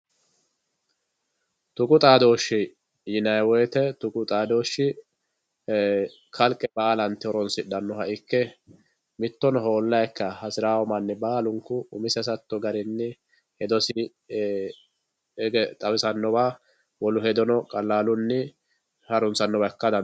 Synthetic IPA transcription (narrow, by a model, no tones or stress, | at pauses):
t̪ʊkʼʊt̪ʼaːd̪o̞ːʃɪ | jɪnɐjwɔjt̪ɛt̪ʊkʼʊt̪ʼaːd̪o̞ːʃːɪ | kʰɐlkʼːɛbaːlɐnt̪ːɪɔɾɔnsɪɗɐnːɔhɐʔɪkːɛ | mɪt̪ːɔnɔɦo̞ːlːɐjɛkːɐhɐsɪɾaːwɔmɐnːɛbaːlʊŋkːʊʊmɪsɛs̬ɐt̪ːɔɡɐɾɪnːɛ | hɛd̪ɔsɪ | ɡɛt̪ʼɐwɪsɐnːɔbaː | wɔlʊɦɛd̪ɔnɔkʼɐlːaːlʊnːɪ | hɐɾʊnsɐnːɔbɐkːɐd̪ɐn